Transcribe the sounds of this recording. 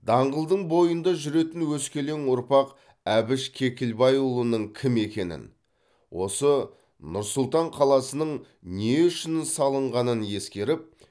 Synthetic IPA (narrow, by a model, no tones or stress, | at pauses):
d̪ɑɴʁəlˠd̪əɴbo̞jənd̪ɑʒʏɾe̞t̪ɪnwɵskʲe̞le̞ŋʊɾpɑq | æbɪʃkʲʰe̞kʲɪlbɑjulˠənəɴkʲʰɪme̞kʲe̞nɪ̰n | wo̞sə | nʊɾsʊlˠt̪ɑɴqʰɑlˠɑsənəɴ | neʏʃɪnɪsɑlˠəɴʁɑnənje̞skʲe̞ɾɪp̚